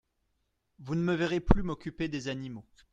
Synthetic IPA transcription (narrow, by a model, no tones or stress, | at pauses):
vunəməvɛʁeplymɔkʲyped̪ezanimo